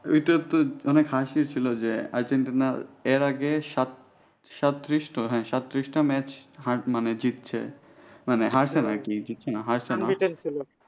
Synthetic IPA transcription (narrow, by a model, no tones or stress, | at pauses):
ujt̪ot̪oɔnekɦaʃiɾt͡ɕʰilod͡ʑea̰ɾd͡ʑeɳʈinaeɾaɡeʃat̪ | ʃat̪ːɾiʃʈoɦɛ̃ʃat̪ːɾiʃʈamɛt͡ɕɦaɾmaned͡ʑit̪ːɕʰḛ | maneɦaɾsʰenakid͡ʑit̪ːɕʰenaɦaɾsʰenaient͡ɕʰilo